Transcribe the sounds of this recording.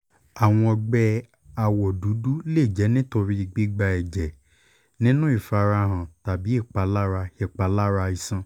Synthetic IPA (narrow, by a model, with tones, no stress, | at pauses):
a˨w̃ɔ̃˧ɔ˧ɡ͡bɛ˧ | a˨wɔ˨du˨˦du˦le˦˨d͡ʒɛ˨˦nĩ˦to˧ɾi˧i˨ɡ͡bi˦ɡ͡ba˧ɛ˨d͡ʒɛ˨ | nĩ˦nũ˦i˦˨fa˧ɾa˧ɦã˨ta˨bi˨˦i˦˨k͡pa˧la˦ɾa˧ɛ˧˨k͡pa˧la˦ɾa˧i˧sã˧